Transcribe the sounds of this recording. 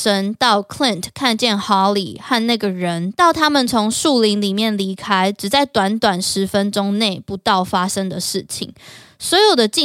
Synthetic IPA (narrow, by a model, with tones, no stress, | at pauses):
ʂə˥nt̪ɑ˥˩ʊkʰli˥˨ntkʰa˥˧nt͡ɕjɛ˥˩nxɑ˥lḭ˨˩ha˥˧nna˥˩ɡə˩ɻə˦nt̪ɑ˥˩ʊt̪ʰa˥mə˨nt͡sʰo˧˥ŋʂu˥˨li˧˥ŋli˨˩mjɛ˥˩nli˧˥kʰa˥ɪʈ͡ʂɻ̩˨˩t͡sa˥˩ɪt̪wa˧˥nt̪wa˨˩nʂɻ̩˧˥fə˦nʈ͡ʂʊ˥ŋne˥˩ɪpu˧˥t̪ɑ˥˩ʊfa˥ʂə˥ŋd̪ə˨ʂɻ̩˥˩t͡ɕʰḭ˨˩ŋswɔ˧˥jo˨˩ʊd̪ə˩t͡ɕi˥˨